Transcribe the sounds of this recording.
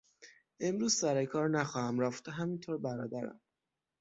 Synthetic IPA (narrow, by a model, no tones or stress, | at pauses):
e̞mɾuːz̥sæɾekʰɒːɾnæxɒːhæmɾæft̪ɒɦæmint̪ʰoːɾbæɾɒːd̪æɾæ̰m